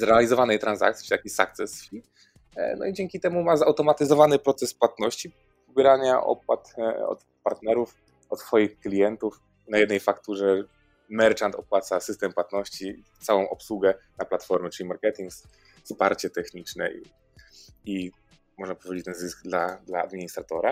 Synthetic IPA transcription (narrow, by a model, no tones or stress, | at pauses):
zɾɛalʲizɔvanɛjt̪ɾanza̰k̚t̪sʲi̥t̪akʲisa̰k̚t̪sɛsfʲi | nɔ̰id͡ʑeŋkʲit̪ɛmumazawt̪ɔmat̪ɘzɔvanɘpɾɔt̪sɛspwat̪nɔɕt͡ɕi | vbʲjɾaɲaʔɔ̰p̚wat̪ɔ̰t̪ | paɾt̪nɛɾuf | ɔt̪sfɔjixklʲijɛnt̪uf | najɛd̪nɛjfakt̪uʐɛ | mɛɾt͡ʂant̪ɔpwat̪sasɘst̪ɛmpwat̪nɔɕt͡ɕi | t̪sawɔ̃w̃ʔɔpswuɡɛnaplat̪fɔɾmɛt͡ʂɘlʲimaɾkɛt̪ʲiŋks | spaɾt͡ɕɛt̪ɛxɲit͡ʂnɛ̰ḭ | i | mɔʐnapɔvʲed͡ʑet͡ɕt̪ɛnzɘsɡd̪lad̪laa̰d̪mʲiɲist̪ɾat̪ɔɾa